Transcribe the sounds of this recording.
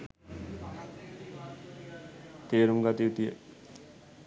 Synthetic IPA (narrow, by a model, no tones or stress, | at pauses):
t̪eːɾuŋɡat̪iit̪ijə̰